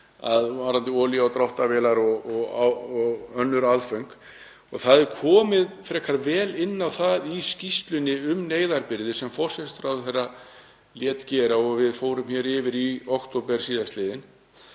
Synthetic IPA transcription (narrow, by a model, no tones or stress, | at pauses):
a̰ðvaɾant̪ɪɔːliawt̪ɾawht̪avɛːlaɾɔɣɔɣaɔɣœnːʏɾaðfœɥŋk | ɔɣθaðɛɾkʰɔːmɪðfɾɛːkʰaɾvɛːlɪnːawθaðiscist̪lʏnːɪʏmneːjðaɾpɪɾðɪsɛmfɔr̥sɛt̪ɾawθɛrːa | ljɛːt̪cɛːɾaɔɣvɪðfoːwɾʏmçɛːɾɪːvɪɾiɔkt̪owpɛɾ̥siːðaslɪːðɪn